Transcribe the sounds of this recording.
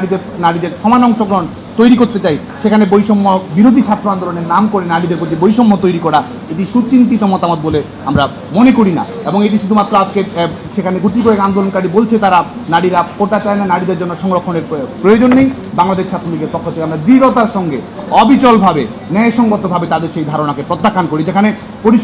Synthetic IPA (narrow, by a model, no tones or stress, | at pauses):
aɽid̪eɾnaɽid̪eɾʃɔmanɔŋʃoɡɾɔon | t̪ojɾikoɾt̪et͡ɕaj | ʃekʰanebojʃɔmːobiɾod̪ʱit͡ɕʰat̪ːɾoand̪oloneɾnamkoɾenaɽid̪eɾpot̪ibojʃɔmːot̪ojɾikɔɽa | eʈiʃut͡ɕint̪it̪omɔt̪amot̪̚bole | amɾa | monekoɾina̰eboŋeʈ̬iʃud̪ʱumat̪ːɾoad͡ʑke | ʃekʰaneɡuʈikoekand̪olonkaɽibolt͡ɕʰet̪aɾa | naɽiɾakoɾt̪at͡ɕaenanaɽid̪eɾd͡ʑonːoʃɔŋɾokʰːoneɾpɾojod͡ʑonːej | baŋlad̪eʃt͡ɕʰat̪ːɾoliɡeɾpɔkʰːot̪ʰekeamɾad̪iɾot̪aɾʃɔŋɡe | ɔbit͡ɕɔlbʱabe | nɛeʃɔŋɡot̪ːobʱabet̪ad̪eɾʃejd̪ʱaɾonakepɾot̪ːakʰːankoɾid͡ʑekʰane | poɾiʃ